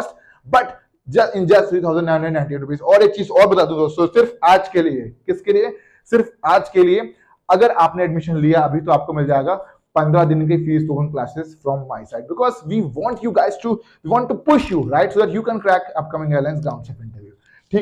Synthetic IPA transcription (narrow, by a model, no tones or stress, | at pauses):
sʈ | bɐʈ | d͡ʒɐsɪ̃nd͡ʒɐt̪ʰɾiːt̪ʰaʊzə̃nɖnãɪnə̃ɖəɖnãɪɳʈĩʈɾʊpeːzɔːɾeːk̚t͡ʃiːzɔːɾbɐt̪aːd̪ũd̪oːst̪osɪɾfaːd͡ʒkeliekɪskelie | sɪɾfaːd͡ʒkelie | ɐɡəɾaːpneɛɖmɪʃə̃nlijaɐbʱit̪oaːp̚komɪld͡ʒaːeːɡa | pɐ̃nd̪ɾad̪ɪnk̬efiːst̪oːkə̃nklaːsɪzfɾɔ̃ːmːaːɪsaɪɖ̚bɪkɔːzʋiːʋɔ̃ːɳʈjuːɡaɪzʈu | ʋiːʋɔ̃ːɳʈːupʊʃjuːɾaɪʈsoːd̪ɛʈjuːkɛ̃nkɾɛkɐp̚kɐmɪ̃ŋaːəɾlãɪnsɖãːʊ̃nt͡ʃɛːpɪ̃ɳʈəɾʋjuː | ʈʰiː